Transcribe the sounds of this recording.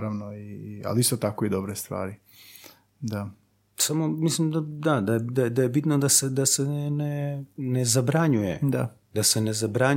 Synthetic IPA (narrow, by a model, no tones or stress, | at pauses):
ɾaʋnoia̰liist̪ot̪ako̞id̪obɾest̪ʋa̰ːɾi | d̪a | samo̞mislimd̪ad̪ad̪ajed̪ad̪ajebit̪nod̪ase̞d̪ase̞nenenezabɾaɲujḛd̪a | d̪ase̞ne̞zabɾaɲ